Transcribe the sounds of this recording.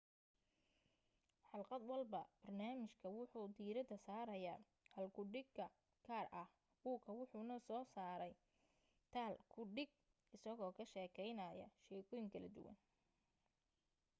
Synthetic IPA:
ħɑlqɑd̪wɑlbɐb̥ɐrnaːmɪʃkʰɐwʊħuːd̪iːɾɐd̪ɐsaːɾɐjaː | hɐlkʰʊɖɪɡkɐ | kʰaːrʔɐh | buːkʰɐwʊħʊːnɐsɔːsaːɾɛj | t̪ʰaːlkʰʊɖɪɡ̚ | ɪsɐɣɔːkʰɐʃɛːkʰɛjnɐːjɐ̰ʃɛːkʰɔjɪŋkʰɐlɐd̪ʊ̰wɐ̰n

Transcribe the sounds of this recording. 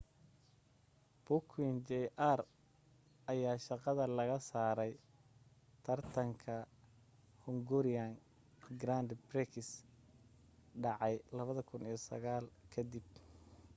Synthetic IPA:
b̥ʊkʰwɪnd͡ʒɛʔar | ɐjaːʃɑqɑðɐlɐɣɐsaːɾɛj | t̪ʰɐrt̪ʰɐŋkʰɐ | hʊŋɡʊɾɪjan | ɡɾand̪brɛkʰɪs | ɖɑʕɑjlɐβɐðɐkʰʊnijɞsɐ̰ɣaːlkʰɐd̪ib

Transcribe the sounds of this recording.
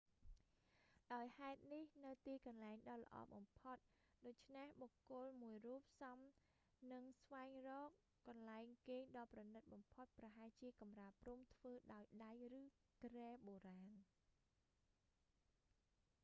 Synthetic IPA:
ɗaɔjhaɛt̪̚nihnɨwt̪iːkɑnlaɛŋɗɑːlə̰̆ʔɑ̰ːɓɑmpʰot̪̚ | ɗoːc̚t͡ɕʰnehɓokːʊ̆əlmuəjruːp̚sɑm | nɨŋsʋaɛŋrɔːkː | ɑnlaɛŋkeːŋɗɑːprɑnɨt̪̚ɓɑmpʰot̪̚prɑɦaɛjt͡ɕiəkɑmraəprumt̪ʰʋəːɗaɔjɗajrɨː | kreːɓoːɾaːn

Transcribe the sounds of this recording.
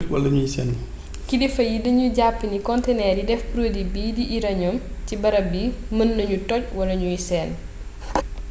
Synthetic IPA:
wɐ̰lɐɲujisɛnː | kidɛfɐjidɐɲuɟapːinikɔntɛnɛːɾjidɛfpɾodibiːdiʔiɾɐɲɔmcibɐɾɐbiːmənːɐɲutɔc̚wɐlɐɲujisɛn

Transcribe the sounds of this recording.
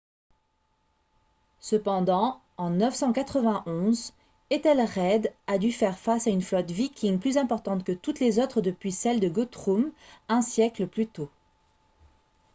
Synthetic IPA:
səpɑ̃d̪ɑ̃ | ɑ̃nœfsɑ̃kat̪χəvɛ̃ʔɔ̃z | et̪ɛlʁɛd̪ad̪yfɛʁfasaynflɔt̪vikʲʰiŋplyzɛ̃pɔʁt̪ɑ̃t̪kət̪ut̪lezot̪χəd̪əpɥisɛld̪əɡot̪χumɛ̃sjɛkləplyt̪o

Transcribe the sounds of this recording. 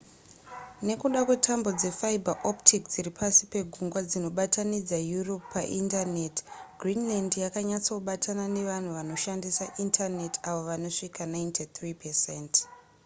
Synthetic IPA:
ne̞kuɗakwe̞tʰambo̞d͡ze̞faibʱaʔoptʰikd͡ziɾipʰasipe̞ɡʱuŋɡwad͡zino̞ɓatanid͡zajuropːaʔintanetɡʱrinlandjakaɲat͡souɓatanane̞ʋan̤uʋano̞ʃandisaʔintʰane̞taʋo̞ʋano̞ʂikanaintʰit̪ripʰesent

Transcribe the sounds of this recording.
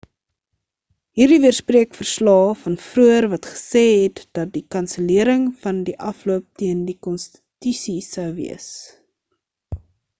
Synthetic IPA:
ɦiːrdivərspriəkfərslɑːfɐnfruərvɐtχə̥sɛːɦɛtd̥ɐt̚dikɐnsəliəɾəŋfɐndiʔɐfluəp̚tiəndikɔnstə̥tysisəwvḭəs

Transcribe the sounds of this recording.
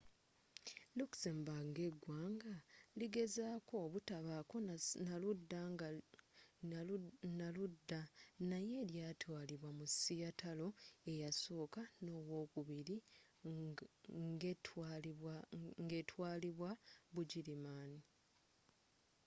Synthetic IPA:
luksembaŋɡe̞ɡwaːŋɡaliɡe̞zaːko̞ːβutaβako̞naludːa | naludːanaje̞ːljaːtwaːliβwamusijatalo̞e̞jasoːkano̞ːwo̞ːkuβiɾi | ŋɡe̞twaːliβwaβuɟiɾimaːni

